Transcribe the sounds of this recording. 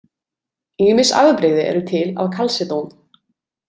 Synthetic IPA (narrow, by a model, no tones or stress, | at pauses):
iːmɪsa̰vðpɾɪɣðɪʔɛ̰ɾʏt̪ʰɪla̰vkʰalsɪt̪own